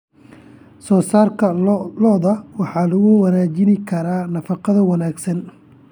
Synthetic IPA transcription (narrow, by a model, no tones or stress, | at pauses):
sɔːsaːrkʰɐlɔːðɐwɑħɑːlɐɣʊwɑnaːt͡ʃɪnɪkʰɐɾaːnɐfɑqɐðɐwɑnaːɡsɐn